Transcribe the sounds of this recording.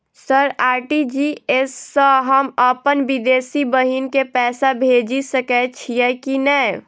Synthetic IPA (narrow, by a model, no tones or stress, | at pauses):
səɾaːɾʈid͡ʒiesːəɦəməpənʋid̪eːsibəɦinkepɛːsabʱed͡ʒisəkɛt͡ʃʰijɛkinɛj